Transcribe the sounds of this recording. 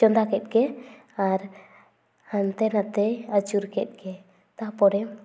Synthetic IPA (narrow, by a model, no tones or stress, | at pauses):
t͡ʃɔnd̪akɛt̪̚ˀkɛaɾ | hant̪ɛnat̪ɛat͡ʃuɾkɛt̪̚ˀkɛ | t̪apɔɾɛ